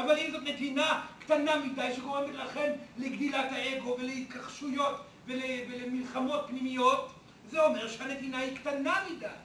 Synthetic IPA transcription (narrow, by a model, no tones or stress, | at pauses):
avalimzo̞t̪ne̞tinaktanamidajʃeɡo̞ʁembetlaχe̞nleɡdilathaeɡo̞ve̞leit̚kaχʃujo̞t | velevelemilχamo̞t̚pnimijo̞t | zeo̞me̞ʁʃehane̞t̪inaiktanamidaj